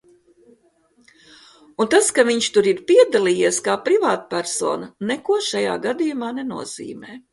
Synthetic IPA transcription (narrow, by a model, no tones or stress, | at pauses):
unt̪askaviɲʃt̪uɾiɾpiɛd̪alˠiːjiɛskaːpɾivaːt̪pæɾso̰ːnɐnɛkuɔʃaja̰ːɡad̪ijumaːnɛnṵɔz̥ḭːmeː